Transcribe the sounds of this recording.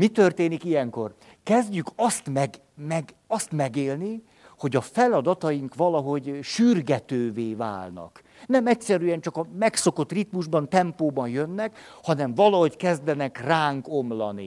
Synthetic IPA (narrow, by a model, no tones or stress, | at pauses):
mit̪ørt̪eːnikijɛŋko̞̰r | kɛzɟykɒst̪mɛɡ | mɛɡ | ɒst̪mɛɡeːlni | ho̞ɟɒfɛlɒd̪ɒt̪ɒjiŋkʋɒlɒɦo̞ɟʃyrɡɛt̪øːveːva̰ːlnɒ̰k | nɛmɛcsɛɾyɛnt͡ʃɒkɒmɛkso̞ko̞t̪ːrit̪muʒbɒnt̪ɛmpoːbɒnjønːɛkhɒnɛɱvɒlɒɦo̞ckɛzd̪ɛnɛkraːŋko̞mlɒ̰nḭ